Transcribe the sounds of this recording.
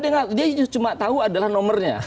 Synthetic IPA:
deŋadiat͡ʃumat̪auadalahnɔmərɲa̰

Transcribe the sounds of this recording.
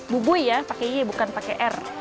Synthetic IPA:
bubuijapakeɛbukanpakeʔɛr

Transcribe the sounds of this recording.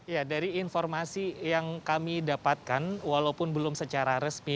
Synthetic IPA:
jadaɾiːnfɔrmasijaŋkamidapat̪̚kanwalaupʊnbəlʊmsət͡ʃaɾaɾəsmi

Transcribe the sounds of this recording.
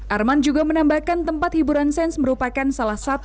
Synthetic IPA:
ʔarmand͡ʒuɡamənambahkant̪əmpat̪̚hibuɾansɛnsməɾupakansalahsat̪

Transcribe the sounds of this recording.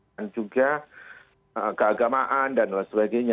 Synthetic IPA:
nd͡ʒuɡa | əkəaɡamaʔandanlasəbaɡajɲa

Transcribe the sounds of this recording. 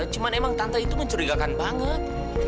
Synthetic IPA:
t͡ʃumanemaŋt̪ant̪ait̪uməɲt͡ʃuɾiɡakanbaŋət̪̚

